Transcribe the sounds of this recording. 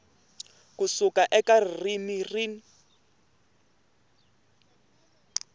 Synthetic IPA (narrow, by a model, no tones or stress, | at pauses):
kusukaʔɛkarrimiriːn